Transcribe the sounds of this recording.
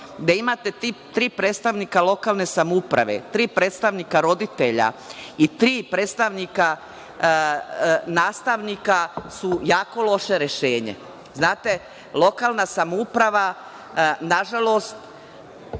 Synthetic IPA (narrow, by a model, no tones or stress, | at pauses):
ɡd̪aimat̪e̞t̪it̪ɾiːpɾet̪st̪aʋnikalo̞kalˠne̞samoupɾa̰ʋḛt̪ɾiːpɾeːt̪st̪aʋnikaɾo̞d̪it̪eʎa̰it̪ɾiːpɾet̪st̪aʋnika | naːst̪aʋnikasujaːko̞lo̞ʃeɾeʃeːɲḛ | znaːt̪e̞ | lˠo̞kaːlnasamoupɾaʋa | naʒalˠo̞st̪